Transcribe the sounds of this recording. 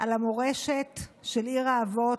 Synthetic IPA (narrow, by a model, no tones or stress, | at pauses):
ʔalamoʁe̞ʃetʃeliʁaːvo̞